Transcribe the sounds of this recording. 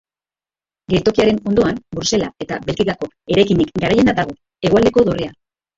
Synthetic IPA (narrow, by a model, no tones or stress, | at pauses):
ɡe̞lt̪o̞kiaɾe̞no̞nd̪o̞anbuɾse̞lae̞t̪aβe̞lkiɣako̞ | e̞ɾajkinikɡaɾaje̞nad̪aɣ̞o̞ | e̞ɣoald̪e̞ko̞ðo̞re̞a